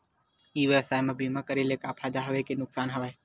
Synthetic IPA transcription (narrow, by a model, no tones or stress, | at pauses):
iːʋjeʋsaːjmẽbiːmakəɾelekaːpʰaːd̪aɦɐʋekenʊksaːnɦɐʋaj